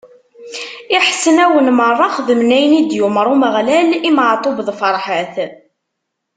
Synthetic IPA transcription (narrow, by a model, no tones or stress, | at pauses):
iħsənæwənmərˤːɑχðəmnæjnid̪juməɾˤuməʁlælimʕt̪ˤːobðfəɾˤħəθ